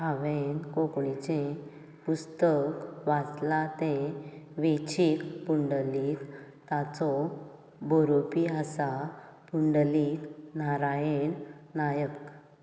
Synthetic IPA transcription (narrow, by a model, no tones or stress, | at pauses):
ɦaʋenkokɭit͡ɕẽ | pust̪əkʋat͡slat̪ẽʋet͡ɕikpuɳɖəlik | t̪at͡sɔ | bɔɾopiəsa | puɳɖəliknaɾajennajək